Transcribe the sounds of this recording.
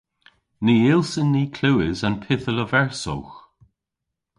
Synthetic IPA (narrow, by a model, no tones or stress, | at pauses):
niːɪlsənːiːkʰluwɪzanpʰɪθələvɛɹsɔ̰wx